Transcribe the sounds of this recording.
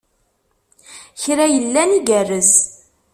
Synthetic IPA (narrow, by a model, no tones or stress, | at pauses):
çɾæjəlːæniɡærːəz